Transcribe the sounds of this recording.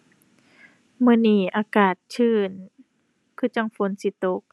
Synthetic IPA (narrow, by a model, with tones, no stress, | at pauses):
mɯː˧˨niː˧˩ʔaː˧kaː˨˩t̪̚t͡ɕʰɯː˧˩n | kʰɯː˧˩t͡ɕa˧ŋfo˧˥˨nsi˧˦t̪o˧˦k̚